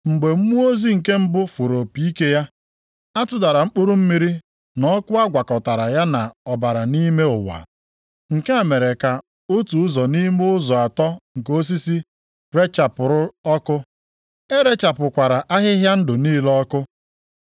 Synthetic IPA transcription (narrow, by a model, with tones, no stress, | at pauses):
ŋ͡m̩˨ɡ͡be˨m̩˦mu˦o˦zi˦ŋ̩˨ke˦m̩˦bʊ˦fu˨ɾo˨pi˦ke˦ja˦ | a˦tʊ˦da˨ɾa˨m̩˦k͡pu˦ɾʊ˦m̩˦mi˦ɾi˦ | nɔ˦kʊ˦a˦ɡʷa˨kɔ˨ta˨ɾa˨ja˦na˨ɔ˨ba˨ɾa˨ni˦me˦ʊ˨wa̰˨ | ŋ̩˨ke˦a˨me˨ɾe˨ka˨ | o˦tu˨ʊ˦zɔ˨ni˦mʊ˦ʊ˦zɔ˨a˨tɔ˦ŋ̩˨ko˦s̬i˦si˦ | ɾe˦t͡ʃa˨pʊ˨ɾʊ˦ɔ˦kʊ˦ | e˦ɾe˦t͡ʃa˨pʊ˨kʷa˨ɾa˨ʔa˦ɦɪ˦ɦja˦n̩˦dʊ˨niː˦lɔ˦kʊ˦